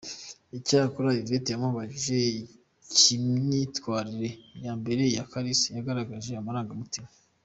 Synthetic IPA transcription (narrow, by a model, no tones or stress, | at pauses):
icakoɾajivetejamuβaʒiʒe̞ | cimɲitkwaːɾiɾe̞jaːmbe̞ɾe̞jakaɾisijaɡaɾaɡaʒe̞amaɾaːŋɡamutima